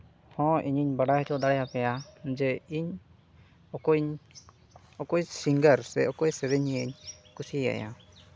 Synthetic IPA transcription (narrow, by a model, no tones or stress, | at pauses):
hɔ̃ʔiɲiɲbaɽahɛtʰɔd̪aɽɛjapɛjad͡ʒɛiɲ | ɔkɔɲ | ɔkɔjsiŋɡəɾsɛɔkɔjsɛɾɛɲiɛɲkusia̰ja̰